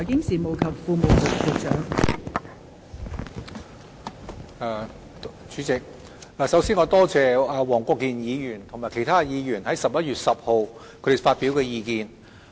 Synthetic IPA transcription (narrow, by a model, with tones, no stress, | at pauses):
ɔ˨˩jkɪ˥ŋsiː˨˩mo˨˧wkʰɐ˨p̚fuː˧mo˨wlʊ˨˩kt͡se˨˧t͡ʃœ̰ː˨˥ŋ˨˧ | t͡ʃyː˨˧t͡sɪ˨k̚ | aː˨˧sɐ˨˥wsiː˥nŋɔː˨˧t̪ɔː˥t͡sɛː˨˧a˨˧wɔː˨˩ŋkʷɔː˧kːiː˨˧njiː˨˧jyː˨˩nt̪ʰʊ˨˩ŋmaː˨˩kʰe˨˩jt̪ʰaː˥jiː˨˧jyː˨˩nhɐ˨˥jsɐ˨p̚jɐ˥t̚ɥyː˨t̚sɐ˨p̚ho˨wkʰɵ˨˧˥d̪e˨˩faː˧t̚pi˨˥wkɛː˧jiː˧kiː˧n